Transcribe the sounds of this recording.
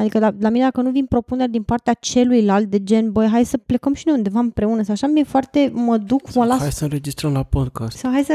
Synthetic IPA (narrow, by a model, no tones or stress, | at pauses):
ad̪ikəd̪alamined̪akənuvinpɾo̞pune̞rʲd̪inpart̪eat͡ʃe̞lujlalt̪̚d̪e̞d͡ʒe̞nbəjɦajsəple̞kəmʃinejund̪e̞vaɨmpɾe̞unəsawaʃamie̞foart̪e̞məd̪ukməlaajsəɨnɾed͡ʒist̪ɾəmlapod̪kʰast̪sawɦajsə